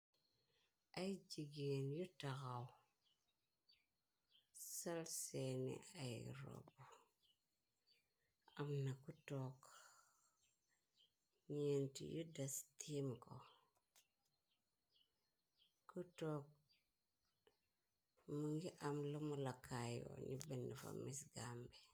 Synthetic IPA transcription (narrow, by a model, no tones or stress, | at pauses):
ajd͡ʒiɡenjutakaw | salsenḭʔajɾo̰bo | amnakutok | ɲentḭjudastʰimko | kutok̚ | muŋɡiʔamlumulakʰajo̰ɲibendifa̰misɡambe